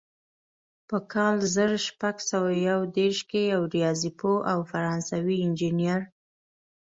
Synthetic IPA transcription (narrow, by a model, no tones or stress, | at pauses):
pəkʰɑlzəɾʃpaɡsawajawd̪eɾʃkejawɾijɑzipoʔawfaɾɑnsawiɪnd͡ʒinijaɾ